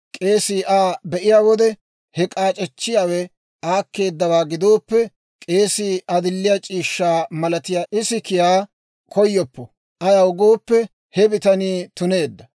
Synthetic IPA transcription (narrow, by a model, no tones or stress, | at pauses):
kʼe̞ːsiːʔaːbɛʔɪjaːwɔd̪ɛ | hɛkʼaːt͡ʃʼɛt͡ʃːɪjaːwɛ | aːkːe̞ːd̪ːɐwaːɡɪd̪o̞ːpːɛ | kʼe̞ːsiːʔɐd̪ɪlːɪjat͡ʃʼiːʃːaːmɐlɐt̪ɪjaːʔɪsɪkɪjaː | kʰɔjːɔpːɔ | ʔɐjaʊɡoːpːɛ | hɛbɪt̪ɐniːt̪ʊne̞ːd̪ːɐ